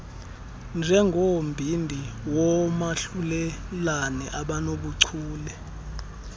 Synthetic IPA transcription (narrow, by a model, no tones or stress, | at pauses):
nd͡ʒʱɛŋɡʱombʱindʱiwɔmaɬulɛlanɛʔaɓanoɓuǀʰuːlɛ